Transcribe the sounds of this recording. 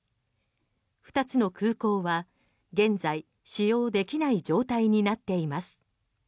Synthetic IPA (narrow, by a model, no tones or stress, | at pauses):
ɸɯ̟̥t̪at͡sɨno̞kɯːko̞ːβa | ɡẽ̞nd͡zai | ɕijo̞ːd̪e̞kʲinaid͡ʑo̞ːt̪aiɲ̟inat̪ːe̞imasɨ̥